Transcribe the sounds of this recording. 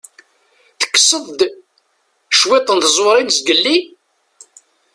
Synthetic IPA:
θə̥kːsəðˤd̪ | ʃwɪt̪ˤːənθəzˤwɾˤinzɡəlːi

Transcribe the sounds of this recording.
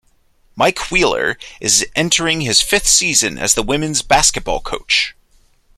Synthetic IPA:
maɪkʰwilˠə̰˞ʔɨzʔɛ̃ntʰə˞ɪ̃ŋɨz̥fɪθsizɨ̰̃nɨ̰zðəwɪ̃mɨ̃nzbæskɨt̚b̥ɔ̰lˠkʰoʊt͡ʃ

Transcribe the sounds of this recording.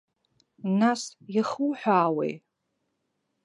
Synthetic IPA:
nasjiχuwħʷᶣaːwḛj

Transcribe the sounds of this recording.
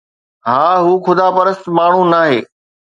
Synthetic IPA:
ɦaːɦuːxʊd̪ʱaːpɐɾəst̪maːɳ̤ũnaːɦeː

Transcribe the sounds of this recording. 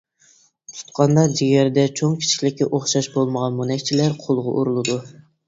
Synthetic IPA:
t̪ʰu̥t̪qʰɑnd̪ɑd͡ʒiɡʲæɾd̪ɛt͡ʃʰoŋkʲʰi̥t͡ʃʰi̥kʲlɪkʲːɛʔoχʃɑʃbolˠməʁɑnmunɛkʲt͡ʃʰilæɾqʰolˠʁʊʔoɾulˠɨd̪u

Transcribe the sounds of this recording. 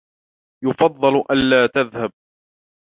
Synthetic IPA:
jʊfɑd̪ˤːɨlʔanːaːt̪aðhab̚

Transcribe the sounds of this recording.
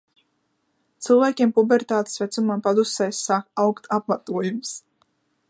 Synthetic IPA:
t̪sɨlˠvæːkʲiɛmpubɛɾt̪aːt̪e̥svɛt̪sumampad̪usɛjsːakawkt̪ap̚mat̪uɔjums

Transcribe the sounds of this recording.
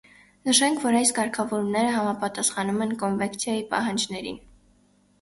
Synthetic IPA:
nəʃɛŋkʰvɔɾɑjskɑɾkʰɑvɔɾumnɛɾəɦɑmɑpɑt̪ɑsχɑnumɛnkɔnvɛŋkt͡sʰjɑjipɑ̰ɦɑnd͡ʒnɛɾḭn

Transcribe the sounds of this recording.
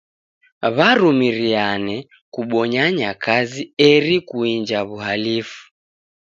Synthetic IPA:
βaɾumiɾianɛ | kuɓɔɲaɲakaziɛɾikuind͡ʒaβuɦalifu̥

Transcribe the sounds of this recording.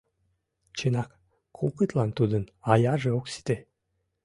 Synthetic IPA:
t͡ɕenɑk | kʰokət̪lɑnt̪ud̪ənɑjɑʒeoksi̥t̪e

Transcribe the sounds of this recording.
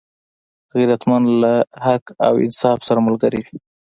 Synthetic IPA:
ɣiɾat̪manlahaka̰wɪ̰nsɑfsaɾamʊlɡaɾiwi

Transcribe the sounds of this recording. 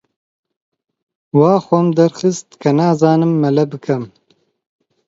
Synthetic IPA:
wɑːxʷɐmd̪ɐɾxɨst̪kʰɐnaːzaːnɨmːɐlɐbɨkʰɐm

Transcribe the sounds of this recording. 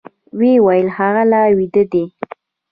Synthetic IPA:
wewajəlhaɣalawid̪əd̪e

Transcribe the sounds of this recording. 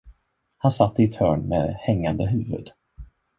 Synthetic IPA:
hansat̪ːəɪt̪ʰœːɳmḛːhɛŋːand̪əɦʉ̟ːvɵ̰d̪

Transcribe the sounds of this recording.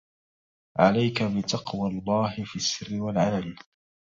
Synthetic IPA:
ʕalajkabɪt̪ɑqwalˤːɑːɦɪfiːsːɪrːɪwalʕalal

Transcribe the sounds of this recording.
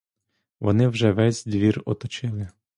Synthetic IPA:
ʋɔ̰nɪwʒɛʋɛzʲd̪ʋʲirɔ̰t̪ɔt͡ʃɪlˠɪ

